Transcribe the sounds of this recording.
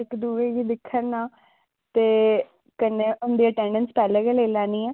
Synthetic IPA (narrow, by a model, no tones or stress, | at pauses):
ɪkd̪uːɾeːɡiːd̪ɪkʰːənnaː | t̪eː | kəneːʊnd̪iːəʈɛ̃ːɳɖənspɛːleːkeːleːlaːniːɛː